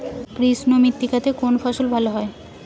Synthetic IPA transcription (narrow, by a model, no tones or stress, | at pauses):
pɾisnomit̪ːikat̪ʰekonfʰaʃulbʱaloɦɔe